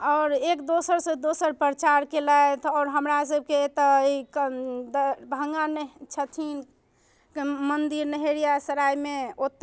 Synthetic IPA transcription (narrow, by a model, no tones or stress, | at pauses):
ɔʊɾekd̪osəɾsə̃d̪osəɾpɾət͡ʃaɾkelaet̪ʰɔːɾɦəmɾas̬əb̚ʱket̪ɔkd̪bʱəŋɡant͡ʃʰət̪ʰin | kemənd̪iɾnəɦeɾijasəɾajmeot̪ː